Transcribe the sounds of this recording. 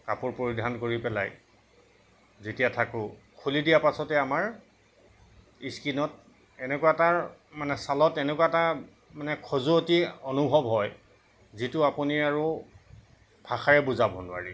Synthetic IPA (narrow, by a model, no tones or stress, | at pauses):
kapʊɹpoɹidʱankoɹipɛla̰j | zetijatʰakʊ | kʰulidijapasɔtɛamaɹ | iskinɔt̚ | ɛnɛkuataɹmanɛsalɔtɛnɛkwata | manɛkʰozuotionubʱɔbɦɔj | zitʊapuniaɹu | bʱaxaɹɛbuzabʱɔnʊa̰ɹi